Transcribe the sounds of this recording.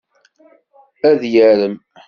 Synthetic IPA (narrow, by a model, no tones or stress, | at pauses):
æðjæɾəm